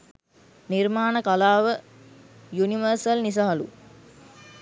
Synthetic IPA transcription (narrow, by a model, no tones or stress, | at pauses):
nirmaːnəkalaːʋə | juniʋəɾsəlnis̬aɦɐlṵ